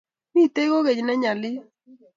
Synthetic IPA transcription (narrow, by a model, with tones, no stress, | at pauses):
mi˦˨t̪e˦ɡo˦ɣe˨d͡ʒnɛ˦ɲa˨lɪ˦